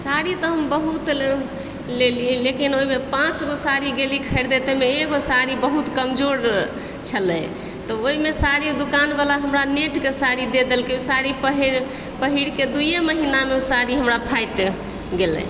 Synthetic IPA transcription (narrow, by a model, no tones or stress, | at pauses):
saɾit̪ɔɦəmbəɦut̪ | lelilekinoimepãt͡ʃɡosaɾiɡelikʰəɪɾd̪et̪emeeɡosaɾibəɦut̪kəmd͡ʒoɾ | t͡ʃʰəlɛ̰ | t̪ɔoɦimesaɾid̪ukanbalaɦəmɾaneʈkesaɾid̪ed̪elkeusaɾipəɦiɾ | pəɦiɾked̪ujeməɦinameusaɾiɦəmɾapʰajʈ | ɡelɛ̰